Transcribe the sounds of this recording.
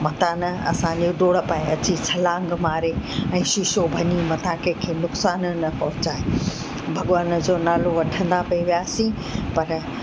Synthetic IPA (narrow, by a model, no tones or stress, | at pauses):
mɐt̪ãːnɐ̰sãɲd͡ʑoɖoːɽpãːẽɐt͡ɕit͡ɕʰɐlaːŋɡmaːɾeɛ̃ːʃɪʃobʱɐnimɐt̪ʰãkekʰeːnʊksaːnnɐpɔɦʊt͡ɕaːe | bʱɐɠʋaːnd͡ʑoːnaːloʋɐʈʰə̃nd̪apɐiʋijaːsĩ | pɐɾ